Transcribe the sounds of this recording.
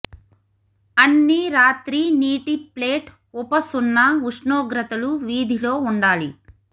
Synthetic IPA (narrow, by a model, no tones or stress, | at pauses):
ɐnːiɾaːt̪ɾiniːʈipleːʈ | upɐsunːɐuʂnoːɡɾɐt̪ɐluʋiːd̪ʱilo̞ːuɳɖaːli